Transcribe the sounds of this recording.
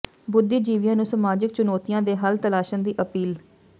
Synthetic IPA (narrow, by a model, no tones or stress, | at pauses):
bʊd̪ːiːd͡ʒiːʋɪjãːnũːsəmaːd͡ʒɪk̚t͡ʃʊnoːt̪ijãːd̪eːɦəlt̪əlaːʃãːd̪iːʔəpiːl